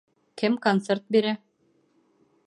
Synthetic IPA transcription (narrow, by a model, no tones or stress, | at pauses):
kɘmkont̪sert̪̚biɾæ